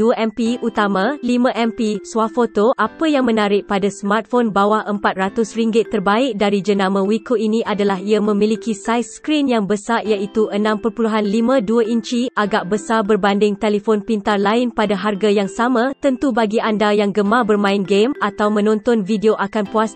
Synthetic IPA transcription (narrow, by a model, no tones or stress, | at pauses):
uəʔɛmpiʔut̪amãlimãʔɛmpisuwafot̪oʔapəjaŋmə̃naɾɪʔ̚padasəmart̪̚fonbawaʔəmpat̪̚rat̪ʊsriŋɡɪt̪ːərbaɪk̚daɾid͡ʒənãmə̃wikʰoʔinĩʔadalaɦiamə̃milikisajskɾinjaŋbəsajaʔit̪uʔənãmpərpuluɦanlimãduəʔiɲt͡ʃiʔaɡaʔbəsabərbandɪŋt̪elifonpint̪arlaɪnpadaɦarɡajaŋsamãt̪ənt̪ubaɡiandajaŋɡəmabərmãɪnɡemat̪awmə̃nɔ̃nt̪ɔnvideoʔakanpuas